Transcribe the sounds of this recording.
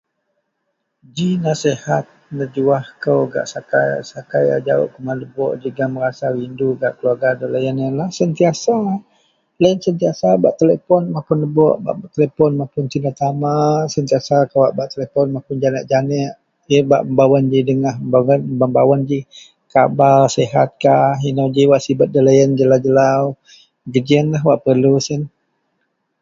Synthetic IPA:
d͡ʒinasehat̪̚nəd͡ʒuahkəwɡa̰ʔsakaj̰sakaja̰d͡ʒao̰ʔkəmanləbɔʔd͡ʒəɡaməɾasawinduɡa̰ʔkəluarɡadəlajanjanlahsənt̪iasa | lajənsənt̪iasabaʔt̪elepɔnmapʊnləbɔ̰ʔba̰ʔbaʔt̪elepɔnmapʊnt̪indat̪amasənt̪iasakawaʔbaʔt̪elepɔnmapʊnd͡ʒanəʔd͡ʒanɛʔ | iba̰ʔməmbawand͡ʒidəŋahməmbaanbambawand͡ʒi | kabalseɦat̪̚kainawd͡ʒiwaʔsibət̪̚dəlajənd͡ʒəlawd͡ʒəlaw | ɡəd͡ʒiənlaɦwaʔpərlusən

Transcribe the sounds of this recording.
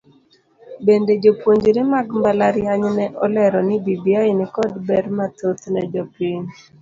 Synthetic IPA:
bended͡ʒopwoɲd͡ʒɾɪmaɡmbalaɾjaɲnɛʔɔlɛɾɔnɪbibiɔɪnɪkɔdbɛɾmat̪ot̪nɛd͡ʒɔpiɲ

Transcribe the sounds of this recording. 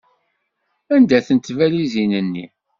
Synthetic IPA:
ænd̪æθənt̪ːvælizinənːḭ

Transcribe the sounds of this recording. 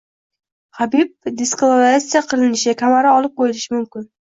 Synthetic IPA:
habib̚d̪eskolˠavɾasijaqʰɨlɪnɪʃkʲʰamaɾaɒlˠɪp̚qʰojɪlɪʃɪmʊmkʲɪn

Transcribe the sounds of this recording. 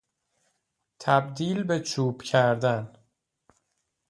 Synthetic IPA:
t̪ʰæbd̪iːlbe̞t͡ʃʰuːb̥cʰæɾd̪æn

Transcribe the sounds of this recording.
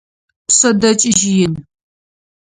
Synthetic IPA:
psɐdɐt͡ʃʼɪʒɪjɪn

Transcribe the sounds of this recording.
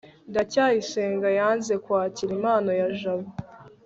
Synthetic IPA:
ndacaːjiseːŋɡajaːnze̞kwaːciɾimaːnojaʒaβu

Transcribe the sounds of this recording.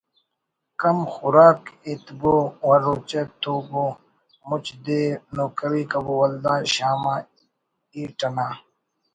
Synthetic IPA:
kɐmxʊɾaːkit̪bowɐɾot͡ɕet̪oːbo | mut͡ɕd̪eːnoːkɐɾiːkɐbowɐld̪aːɕaːma | iːʈɐnaː

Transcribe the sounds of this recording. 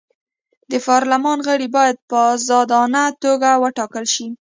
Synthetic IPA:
d̪əpɑɾlamɑnɣəɽibɑjad̪̚pəzɑd̪ɑnat̪oɡawəʈɑkəlʃi

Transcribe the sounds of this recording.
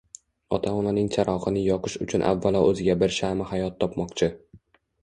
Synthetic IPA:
ɒt̪ʰaɒnanɪŋt͡ʃʰaɾʔɒqɨnɪjɒqʰɨʃʊt͡ʃʰʊnʔa̰vːalˠɒʔɵzɪɡʲabɪɾʃamɪhajɒt̪ʰːɒpmɒqt͡ʃʰɪ

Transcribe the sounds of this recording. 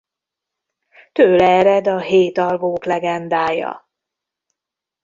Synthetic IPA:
t̪øːlɛːɾɛd̪ɒɦeːt̪ɒlvoːklɛɡɛnd̪aːjɒ̰

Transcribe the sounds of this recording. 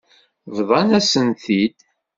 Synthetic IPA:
vðˤɑnæsənθid̪

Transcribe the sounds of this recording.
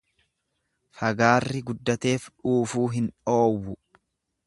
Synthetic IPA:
fɐɡaːrːɪɡʊd̪ːɐt̪e̞ːfᶑuːfuːɦɪnᶑo̞ːwːʊ

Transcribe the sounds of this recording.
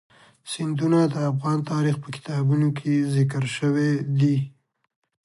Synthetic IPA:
sɪnd̪unad̪əafɣɑnt̪ɑɾixpəkɪ̥t̪ɑbunokʰezɪk̬əɾʃəwed̪i

